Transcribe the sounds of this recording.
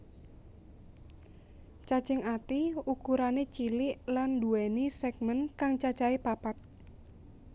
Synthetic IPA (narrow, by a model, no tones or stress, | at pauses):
t͡ʃat͡ʃɛŋat̪iukuɾanet͡ʃilɪʔlanduɛnisɛɡ̚mənkaŋt͡ʃat͡ʃaepapat̪̚